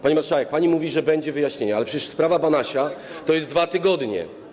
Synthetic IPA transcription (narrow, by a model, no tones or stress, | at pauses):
paɲimatʂavɛk̚paɲimuvʲiʐɛbɛɲd͡ʑɛvɘjaɕɲeɲɛalɛpʂɛt͡ɕɛʂspɾavabanaɕa | t̪ɔjɛzt̪ːvat̪ɘɡɔd̪ɲɛ̰